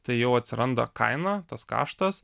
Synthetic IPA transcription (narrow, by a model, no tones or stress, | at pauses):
t̪ɐɪjɛʊɐt̪ʲsʲɪɾʔɐnd̪ɐ̰kɐ̰ɪnɑːt̪ɐskɑ̰ːʃt̪ɐs